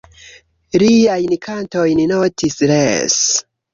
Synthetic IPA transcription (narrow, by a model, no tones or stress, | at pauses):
ɾiajnikʰantojninotisɾḛs